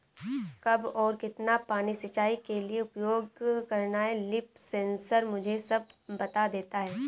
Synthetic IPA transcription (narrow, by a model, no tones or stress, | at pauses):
kɐbɔːɾkɪt̪napaːnisɪt͡ʃaːikelieʊpjoːɡkɐɾnaɛlɪpsẽːnsəɾmʊd͡ʒʱesɐb̚ːɐt̪ad̪eːt̪aɦɛː